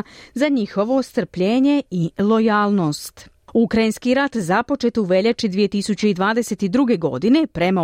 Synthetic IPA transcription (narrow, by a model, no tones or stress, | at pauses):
zaɲixo̞ʋo̞st̪r̩pʎe̞ːɲe̞ilˠo̞jaːlˠno̞ːst̪ | ukɾainskiɾat̪zapo̞t͡ʃe̞t̪uʋe̞ʎat͡ʃid̪ʋije̞t̪isut͡ɕeid̪ʋaːd̪ese̞t̪id̪ɾuɡe̞ɡo̞̰d̪ine̞pɾe̞ma